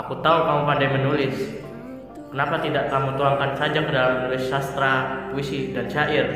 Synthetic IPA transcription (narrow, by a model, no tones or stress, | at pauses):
ʔakut̪aukamupandajmənulɪs | kənapat̪idaʔkamut̪uaŋkansad͡ʒakədalamːənulɪsːast̪ɾapuisidant͡ʃaʔɪr